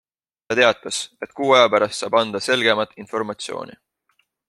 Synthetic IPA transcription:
t̪ɑt̪e̞ɑt̪ːˑɑse̞t̪̚ːˑkuːɑjɑpæɾɑst̪sɑːb̥ɑnd̪̥ɑse̞lɡ̥e̞mɑt̪ːˑinfo̞rmɑt̪sio̞̰ːnḭ

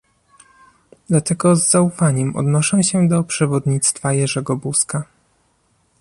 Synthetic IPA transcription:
d̪lat̪ɛɡɔzːaufaɲɛmʔɔ̰d̪nɔʂɛ̃ɕɛd̪ɔpʂɛvɔd̪ɲit̪st̪fajɛʐɛɡɔbuska

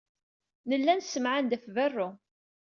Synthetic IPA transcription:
nəlːænsəmʕand̪æfvərˤːʊ

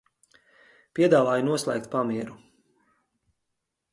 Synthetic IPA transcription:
pʲiɛd̪aːvaːjunuɔslˠɛ̰ːk̚t̪pamiɛɾu

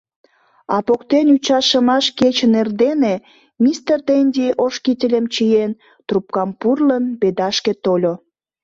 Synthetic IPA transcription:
ɑpokt̪enyt͡ɕɑʃəmɑʃket͡ɕənerd̪ene | mist̪erd̪enʲd̪ʲiʔoʃkitʲelʲemt͡ɕijen | t̪rup̚kɑmpurlənped̪ɑʃket̪olʲo

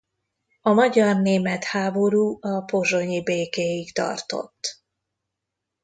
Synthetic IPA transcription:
ɒmɒɟɒrneːmɛt̪haːbo̞ɾuːɒpo̞ʒo̞ɲibeːkeːjiɡt̪ɒ̰rt̪o̞̰t̪ː

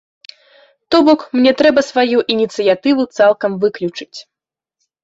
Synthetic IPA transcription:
t̪ɔbɔkmnʲɛt̪ɾɛbɐsvajuʔinʲit̪sɨjat̪ɨvut̪salˠkɐmvɨklʲut͡ʂɨ̥t͡sʲ

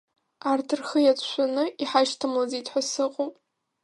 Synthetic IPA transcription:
artʰɨrχəjat͡sʷʰʼʃʷanɨʔiħaʃtʰamlazitʰʼħʷasɨqʼo

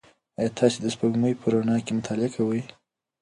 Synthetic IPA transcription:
ajɑt̪ʰɑsed̪əspəɡməjpʰəɾonɑkemʊt̪ʰɑlɪakʰawəj

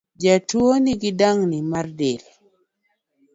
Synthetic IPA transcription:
d͡ʒatwoniɡɪdaŋnimardɪl

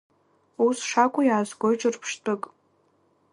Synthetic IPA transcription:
usʂakʷʼʊjaːsɡʷojt͡ʃʼɨrpʰʂtʼɨkʼ

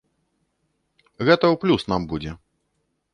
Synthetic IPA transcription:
ɣɛt̪ɐwplʲusnambud͡zʲɛ

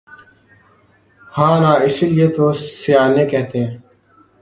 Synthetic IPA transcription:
hãːnãːɪsiljeːt̪ʰoːsijaːnẽːkeːt̪ʰẽː

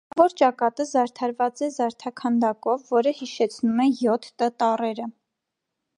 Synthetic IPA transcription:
vɔɾt͡ʃɑkɑt̪əzɑɾt̪ʰɑɾvɑt͡sɛzɑɾt̪ʰɑkʰɑnd̪ɑkɔvːɔɾəhiʃɛt͡sʰnumɛjɔt̪ʰːət̪ɑrɛɾə

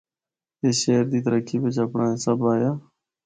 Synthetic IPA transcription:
eːʃeːəɾd̪iːt̪əɾəkʰːiːbɪt͡ʃəpɳãːɪsəbaːjaː

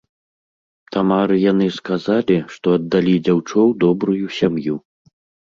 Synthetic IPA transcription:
t̪amaɾɨjan̪ɨskazalʲiʂt̪ɔɐd̪ːalʲid͡zʲawt͡ʂɔwd̪ɔbɾujusʲamju

